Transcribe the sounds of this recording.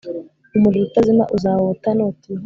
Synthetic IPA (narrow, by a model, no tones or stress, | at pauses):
umulitazima̰ʔuzawotanoti